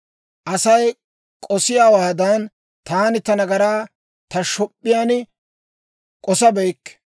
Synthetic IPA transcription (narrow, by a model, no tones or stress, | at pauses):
ʔɐsɐj | kʼɔsɪjaːwaːd̪aːn | t̪aːnɪt̪ɐnɐɡɐɾaː | t̪ɐʃɔpʼːɪjaːnɪ | kʼɔsɐbɛjkː